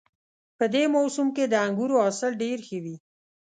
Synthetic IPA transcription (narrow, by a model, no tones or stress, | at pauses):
pəd̪emɔwsumked̪əaŋɡuɾoasɪlɖeɾxəwi